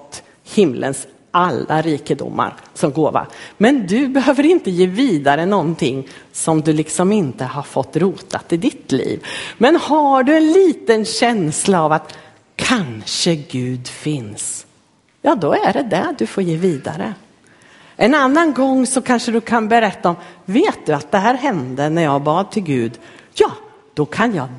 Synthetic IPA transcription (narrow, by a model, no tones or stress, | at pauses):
t̪ː | hɪmlʔə̰ns | alːa̰ɾiːkəd̪ʊ̰mːa̰ɾsɔmɡoːva̰mɛnd̪ɵbɛhøːvəɾɪnt̪əjeːviːd̪aɾənɔnt̪ʰɪŋːsɔmd̪ɵlɪksɔmɪnt̪əhaɾfɔt̪ːɾuːt̪at̪ɪd̪ɪt̪lḭːvmɛnhaɖɵɛnliːt̪ənɕɛnslaːvat̪ | kʰanʂəɡʉ̟ːd̪fɪns | jɑːd̪ɔæɖɛd̪æd̪ɵfoːɾjeːviːd̪a̰ɾə | ʔɛnanːanɡɔŋːsɔkʰanʂəd̪ɵkʰanbɛɾɛt̪ːaɔmveːt̪̚d̪ɵat̪̚d̪ɛɦæːɾɦɛnd̪ənæɾjɑːɡbɑːd̪̚t̪ʰɪlɡʉ̟ːd̪jɑː | d̪̥ɔkʰanjɑ̰ː